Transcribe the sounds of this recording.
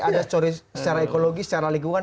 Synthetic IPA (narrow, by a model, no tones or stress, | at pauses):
adast͡ʃoɾisə̥t͡ʃaɾaekoloɡisə̥t͡ʃaɾaliŋɡuŋan